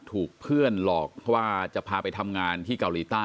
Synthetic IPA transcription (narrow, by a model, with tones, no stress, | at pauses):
t̪ʰuː˨˩k̚pʰɯ˥˩ənlɔː˨˩k̚pʰɔ˥˩waː˥˩t͡ɕa˨˩ʔpʰaː˧pa˧jt̪ʰa˧mŋaː˧nt̪ʰiː˥˩ka˧wliː˧˩t̪aː˥˩